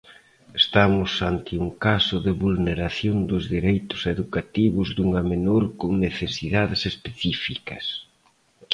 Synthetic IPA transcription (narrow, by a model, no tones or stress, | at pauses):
est̪amʊsant̪ɪuŋkasʊðɪβulneɾaθjond̪ʊzðiɾejt̪ʊ̥seðukat̪iβʊzðuŋɐmenoɾkoŋneθesiðaðɪsespeθifikɐs